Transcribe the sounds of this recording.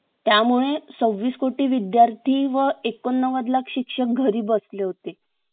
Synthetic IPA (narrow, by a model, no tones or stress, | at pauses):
t̪jamuɭet͡səʋːiːskoʈiːʋid̪jaɾt̪ʰiːʋəekonːəʋəd̪lakɕikʂək̚ɡʱəɾiːbəsleɦot̪e